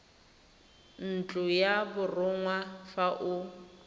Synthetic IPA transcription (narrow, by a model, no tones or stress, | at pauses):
n̩t͡ɬʼʊjabʊrʊŋwafaʔʊ